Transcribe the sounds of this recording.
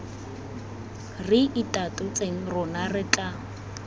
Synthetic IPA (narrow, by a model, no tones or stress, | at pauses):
rɪʔitʼatʊt͡sʼeŋ̩rʊnarɪt͡ɬʼa